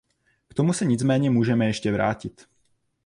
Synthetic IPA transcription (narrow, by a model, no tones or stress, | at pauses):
kt̪omusɛɲit͡smɛːɲɛmuːʒɛmɛjɛʃcɛvɾa̰ːcit̪